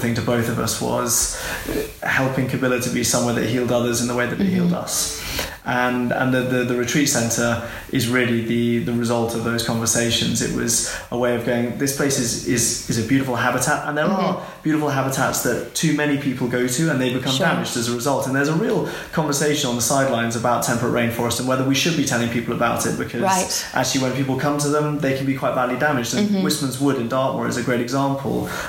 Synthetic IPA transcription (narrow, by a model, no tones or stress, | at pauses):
θɪ̃ŋtʰəbəʊθəvʌ̰swɒ̰z̥ | hɛlˠpɪ̃ŋkʰəbɪlˠətʰəbisʌ̃mwɛðə̰ʔ̚ɦilˠdʌðəzɪ̃nðəweɪðəʔ̚eɪhilˠdʌ̰s | ʔə̃nə̰̃nðəðəðəɹɨtʰɹ̥iˑtsɛ̃ntʰə˞ | ʔɪzɹɪəliðiðəɹɪzʌlˠtʰəvðəʊz̥kʰɒ̃ɱvəseɪʃə̃nzɪ̰ʔwɒ̰z̥ʔəweɪəvɡoʊɪ̃ŋðɪspʰl̥eɪsɪzɪzɪzɨbjʉɾɪfəl̩ˠɦabɪtʰatə̰̃nðəɹə | b̥jʉɾɨfl̩ˠɦabətʰa̰tsðətʰʉmɛñipʰipʰəl̩ˠɡoʊtʉə̃nðeɪbɨkʰʌ̃mdæmɪd͡ʒdɨzəɹɨzʌlˠtə̃n̩ðə˞zəɹiːlˠ | kʰɑ̃ɱvə˞seɪʃə̃nə̃nðəsaɪdˡlãɪ̃nzəbaʊtʰɛ̃mpɹəʔɹẽɪ̃nfɔɹɨstə̃n̩wɛðə˞wiʃɨd̚bitʰɛlˠɪ̃ŋpʰipl̩ˠəbaʊɾɪ̰t̚b̥ɨkʰʌzɪʔa̰k̚t͡ʃʉl̩ˠiwə̃npipl̩ˠkʰʌ̃mtʰəðə̃mðeɪkʰn̩bikʰw̥aɪtvadlidæmɨd͡ʒdə̃nwɪsmə̃nzwʊɾɨ̃ndɑɹʔwə̰ɹɨ̰zɨɡɹeɪɾɨɡzɑ̃ˑmpʰə̰lˠ